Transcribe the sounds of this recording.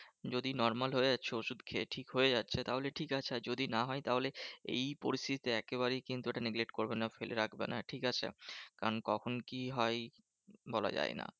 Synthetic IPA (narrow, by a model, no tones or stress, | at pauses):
d͡ʑod̪inɔɾmalɦoeatːɕʰeoʃud̪kʰeʈʰikɦoed͡ʑat̪ːɕʰet̪aɦoleʈʰikat͡ɕʰed͡ʑod̪inaɦɔet̪aɦoleḛjpo̰ɾist̪ʰit̪i̥t̪eɛkeβaɾejkint̪ueʈaneɡlek̚ʈkoɾbenafeleɾakʰbena̰ʈʰikat͡ɕʰḛkaɾonkɔkʰonkiɦɔe | bɔla̰d͡ʑa̰ena̰